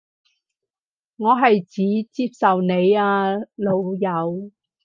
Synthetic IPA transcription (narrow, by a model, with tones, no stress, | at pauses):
ŋɔː˨˧ɦɐ˨jt͡siː˨˥t͡siː˧˥p̚sɐ˨wne˨˧jaː˧lo˨˧wjɐ˨˧w